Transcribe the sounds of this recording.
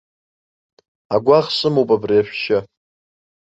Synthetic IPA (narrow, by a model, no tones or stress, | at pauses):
aɡʷaχsɨmowpʼabriaʃʷᶣʃa